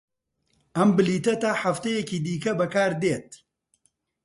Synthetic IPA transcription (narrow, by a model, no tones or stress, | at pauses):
ʔɐmbɨliːt̪ɐt̪aːħaft̪ɐjɛciːd̪iːkɐbɐkaːɾd̪eːt̪̚